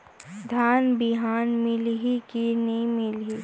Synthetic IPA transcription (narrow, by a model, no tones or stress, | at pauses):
d̪ʱaːnbɪɦaːnmɪlɦikiniĩmɪlɦi